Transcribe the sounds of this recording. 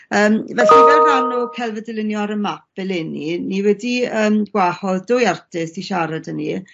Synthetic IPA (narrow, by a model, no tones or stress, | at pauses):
əːmvɛɬivɛrranukʰɛlˠvədɪlɪnjɔaɾəmap̚ɪlˠɪniniwɛdiəːmɡ̥wahɔðdʊjartʰɪsiʃaɾadəni